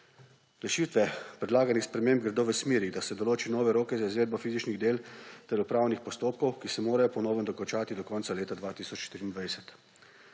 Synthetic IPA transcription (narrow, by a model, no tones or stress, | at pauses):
ɾɛʃiːt̪ʋɛpɾɛd̪laːɡanixspɾɛmeːmb̚ɡɾɛd̪oːʋəsmeːɾid̪asɛd̪ɔloːt͡ʃinɔːʋɛɾoːkɛzaizʋeːd̪bɔfiːzit͡ʃniɣd̪eːlt̪ɛɾupɾaːwnixpɔst̪oːp̚kɔwkisɛmoːɾajɔpɔnɔːwʋənd̪ɔkɔnt͡ʃaːt̪id̪ɔkɔntsaleːt̪ad̪ʋaːt̪isɔt͡ʃʃt̪iɾiːnd̪ʋajsɛ̥t̪